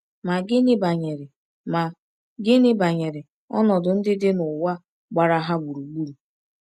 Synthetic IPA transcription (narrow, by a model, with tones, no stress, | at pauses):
ma˨ɡɪ˦nɪ˦ba˨ɲe˨ɾɪ˨ | ma˨ | ɡɪ˦nɪ˦ba˨ɲe˨ɾɪ˨ | ɔ̰˦nɔ˨dʊ˨n̩˦dɪ˦dɪ˦nʊ˨wa˦ | ɡ͡ba˨ɾa˦ɦa˦ɡ͡bu˨ɾu˨ɡ͡bu˦ɾu˨